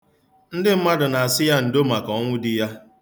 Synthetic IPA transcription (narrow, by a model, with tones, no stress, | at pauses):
n̩˦dɪ˦m̩˦ma˦dʊ˨na˨a˨sɪ˦ja˦n̩˨do˦ma˨kɔ˨˦ŋʷʊ˦di˦ja˦